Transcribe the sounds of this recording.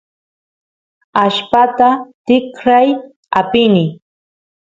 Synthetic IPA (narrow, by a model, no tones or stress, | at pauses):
aʃpat̪at̪ɪkɾaj | apɪnɪ